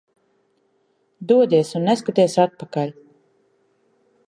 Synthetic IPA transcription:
d̪uɔd̪ʲiɛsunːeskat̪iɛsat̪̚pakalʲ

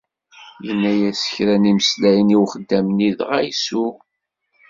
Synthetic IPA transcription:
jənːæjæsə̥çɾæniməslæjəniwχəd̪ːæmniðʁæjsu

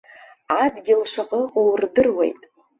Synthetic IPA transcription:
adɡʲɪlʂaqʼəqʼowrdɨrwḛjtʼ

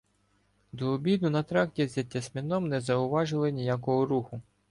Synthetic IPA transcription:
d̪ɔːbʲid̪ʊnɐt̪ɾɑktʲizʲɐtʲːɐsʲmʲinɔmnɛzɐʊʋɑʒɪlˠɪnʲijakɔɦɔɾuxʊ

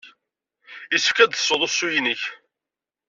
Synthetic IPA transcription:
isə̥fkæd̪θə̥sˤːoðˤosːujinəç

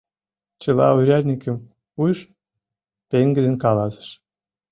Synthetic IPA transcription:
t͡ɕɤ̆lˠɑ̰uɾʲærʲnʲikʲɘ̆m | ujʃ | peŋɡɘ̆d̪enkɑlɑsə̥̆ʃ

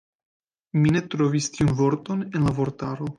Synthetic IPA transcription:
minet̪ɾovist̪iunvoɾt̪o̞nenlavoɾt̪aɾo

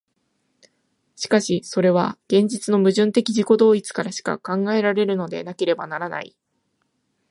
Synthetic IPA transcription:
ɕi̥kaɕiso̞ɾe̞β̞aɡ̥ẽ̞ɲ̟d͡ʑit͡sɨno̞mɯ̟ʑɨ̃nt̪e̞kʲiʑiko̞d̪o̞ːit͡sɨ̥kaɾaɕi̥ka̰kãŋɡae̞ɾaɾe̞ɾɯ̟no̞d̪e̞̰nake̞ɾe̞banaɾana̰ḭ

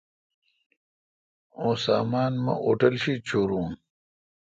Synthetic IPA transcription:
õːsaːmaːnmɐ̰ʔoʈɐlɕit͡ɕʰoːɾuːn

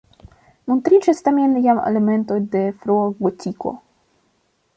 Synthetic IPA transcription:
mont̪ɾit͡ʃast̪amʲenjamḛlement̪ojd̪efɾoaɡotʲiko̰

